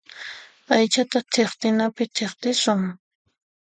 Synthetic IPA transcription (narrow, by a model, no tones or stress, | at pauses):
ajt͡ʃat̪at̪ʰeχt̪ɪnapɪt̪ʰeχt̪ɪsʊŋ